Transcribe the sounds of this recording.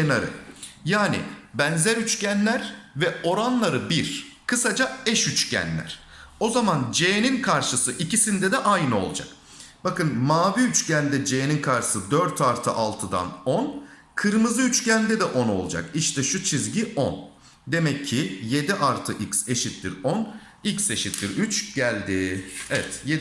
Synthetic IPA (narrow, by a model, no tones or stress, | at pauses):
enaɾɯ̰jaːnḭbænzɛɾyt͡ʃcænlʲæɾvɛo̞ɾanlˠaɾɯbiɾkʰɯsad͡ʒaɛʃyt͡ʃcʰæ̰nlʲæ̰ɾ̥ | o̞zamand͡ʒejeninkʰaɾʃɯsɯʔicisind̪ɛd̪ɛʔajnɯo̞lˠud͡ʒa̰k | b̥akɯnmaːviyt͡ʃcænd̪ɛd͡ʒejeninkʰaɾʃɯ̥sɯd̪øɾt̪ʰaɾt̪ʰɯʔalˠt̪ʰɯd̪a̰no̞n | kʰɯɾmɯzɯyt͡ʃcʰænd̪ɛd̪ɛʔo̞no̞̰lˠud͡ʒa̰kiʃt̪ʰɛʃut͡ʃʰizɟiʔon | d̪e̞mɛcʰːije̞d̪iʔaɾt̪ʰɯʔicse̞ʃit̪lʲiɾon | icse̞ʃit̪lʲiɾyt͡ʃɟ̥ælʲd̪ɪevɛt̪je